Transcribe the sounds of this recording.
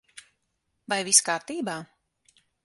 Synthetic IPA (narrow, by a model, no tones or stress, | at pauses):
vajviskaːɾt̪iːbaː